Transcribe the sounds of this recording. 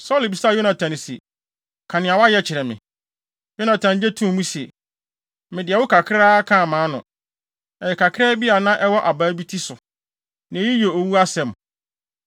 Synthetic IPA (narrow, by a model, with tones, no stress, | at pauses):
sɔ˦lbi˨sa˦˨jo˦nã˨tʰã˨n˨sḛ˨ | kʰã˨nɪ̃˨a˨wa˦jɛ˦t͡ɕʰɪ˨ɾɛ˨mɪ̰̃˨ | jo˦nã˨tʰã˨nd͡ʑɛ˦tʰũ˦˨mũ˦se˨ | mɪ̃˨dɪ˨ɛ˨wʊ˦kʰa˨kʰɾaː˦kʰã˦˨mãː˨˦nʊ̰̃˨ | ɛ˨jɛ˨kʰa˨kʰɪ˦ɾa˦bi˦a˨˦nã˦ʔɛ˦wɔ˦ʔa˨baː˨˦bi˦tʰi˦sʊ˨ | nã˨˦ji˦jo˨o˨wu˦a˦sɛ̃˨m